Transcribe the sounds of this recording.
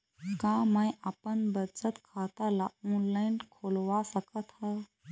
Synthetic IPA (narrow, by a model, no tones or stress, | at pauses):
kãmajʔapənbət͡ʃət̪kʰat̪alaɔːnlaɪnkʰolʋasəkət̪ɦə